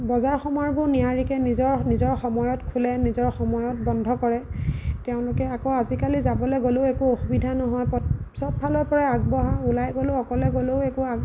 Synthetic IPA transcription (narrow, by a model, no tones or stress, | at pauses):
bɔzaɹxɔmɔjɔɹbʊɹnijaɹikɛnizɔɹnizɔɹxɔmɔjɔtkʰulɛnizɔɹxɔmɔjɔt̚bɔndʱɔkɔɹɛtɛʊ̃lʊkɛakoazikalizabɔlɛɡoleʊekuoxubidʱanɔɦɔjpɔsɔbpalɔɹpɔɹaaɡ̚bɔɦaulajɡoloɔkɔlɛɡoleʊekuaɡ